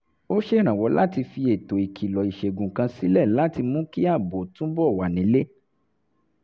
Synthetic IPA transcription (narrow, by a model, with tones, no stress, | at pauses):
o˦ʃe˦˨ɾ̃ã˨wɔ˨˦la̰˦ti˧fi˧e˨to˨i˨kʰi˨lɔ˨i˨ʃe˨ɡũ˨kã˧si˦lɛ˦˨la˨˦ti˧mũ˦ki˦a˦˨bo˨tũ˦bɔ˦˨wa˨nĩ˨˦le˦